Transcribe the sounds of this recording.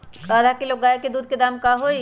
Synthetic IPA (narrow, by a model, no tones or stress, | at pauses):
ad̪ʱakeloːɡːaːjeked̪uːd̪̚ked̪aːmkaɦoːi